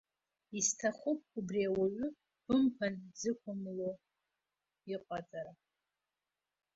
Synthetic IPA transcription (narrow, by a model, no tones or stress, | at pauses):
istʰaχʷʊp̚ʰʼubriawaɥʷʊ | b̥ɨmpʰanzɨkʷʊmlo | iqʷʼat͡sʼaɾa